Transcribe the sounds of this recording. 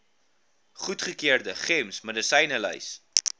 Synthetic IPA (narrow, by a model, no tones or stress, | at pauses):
χutχəkiərdəχɛmsmədəsəjnələ̰js